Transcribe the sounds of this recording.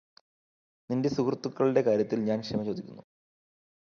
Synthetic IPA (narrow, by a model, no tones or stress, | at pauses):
ninde̞sukrt̪ːukːɐɭiɽe̞kaːɾjɐt̪ːilɲaːnkʂemɐt͡ɕo̞ːd̪ikʲːunːu